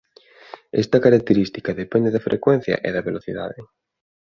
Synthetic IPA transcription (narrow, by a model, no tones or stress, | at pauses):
ɛ̰st̪ɐkaɾak̚t̪eɾist̪i̥kaðepɛnd̪eðɐfɾʔḛkwɛn̟θjɐ̰ʔeðɐβeloθiða̰ðɪ